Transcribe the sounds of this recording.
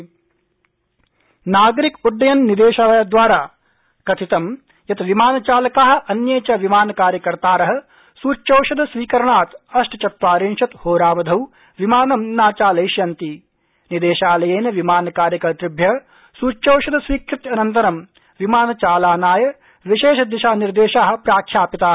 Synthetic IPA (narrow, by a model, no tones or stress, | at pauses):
naːɡɐɾikuɖːɐjɐnːid̪eːʃaːlɐjɐd̪ʋaːɾaː | kɐt̪ʰit̪ɐm | jɐt̪ʋimaːnɐt͡ʃaːlɐkaːɦɐ̆ʔɐnjeːt͡ʃɐʋimaːnɐkaːɾjɐkɐɾt̪aːɾɐɦɐ̆ | suːt͡ʃːɐːʃɐd̪ɐsʋiːkɐɾɐɳaːt̪ɐʂʈɐt͡ʃɐt̪ʋaːɾinʃɐt̪hoːɾaːʋɐd̪ʱɐw | ʋimaːnɐmnaːt͡ʃaːlɐjʃjɐnt̪i | nid̪eːʃaːlɐjeːnɐʋimaːnɐkaːɾjɐkɐɾt̪ɾibʱjɐɦɐ | suːt͡ʃt͡ʃɐːwʃɐd̪ɐsʋiːkʰɾit̪ɐnɐnt̪ɐɾɐm | ʋimaːnɐt͡ʃaːlaːnaːjɐ | ʋiʃeːʃɐd̪iʃaːniɾd̪eːʃaːɦɐ̆pɾaːkʰjaːpit̪aː